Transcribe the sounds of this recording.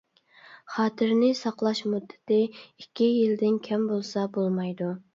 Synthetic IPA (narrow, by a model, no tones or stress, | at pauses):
χɑːt̪ʰɨɾnɪsɑqlˠɑʃmud̪ːɪ̥t̪ɪikʲʰːijild̪ɪnkʲʰɛmbolˠsɑbolˠmɑjd̪u